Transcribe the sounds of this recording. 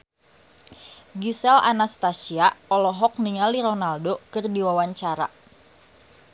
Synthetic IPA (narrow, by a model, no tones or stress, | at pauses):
ɡisɛla̰nast̪asiaɔlɔɦɔk̚niŋaliɾonaldokɨrdiwawaɲt͡ʃaɾa̰